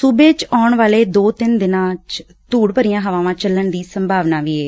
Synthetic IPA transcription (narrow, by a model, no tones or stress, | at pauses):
sʊbeːt͡ʃɔːɳʋaːleːd̪oːt̪ɪnd̪ɪnãːt͡ʃ | t̪uːɽpəɾɪjãːɦəʋãːʋãːt͡ʃəlːəɳd̪iːsəmbʱaːʋnaːʋiːeː